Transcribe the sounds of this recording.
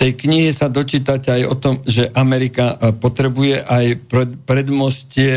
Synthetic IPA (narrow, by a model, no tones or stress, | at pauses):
t̪ɛjkɲiɦisad̪ɔt͡ʃiːt̪acajɔt̪ɔmʒɛʔamɛɾikapɔt̪ɾɛbujɛʔajppɾɛd̪mɔscɪɛ